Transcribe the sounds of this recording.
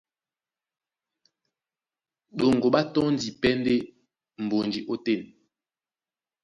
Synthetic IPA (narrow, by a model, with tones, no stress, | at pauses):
ɗo˨ŋɡo˨ɓa˦tɔ˦n̩˦di˨pɛ˦nde˦ | m̩˨bo˨nd͡ʒi˨ʔo˦te˦˨n